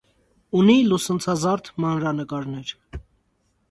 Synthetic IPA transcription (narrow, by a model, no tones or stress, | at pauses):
unilusənt͡sʰɑzɑrt̪ʰmɑnɾɑnəkɑɾnɛɾ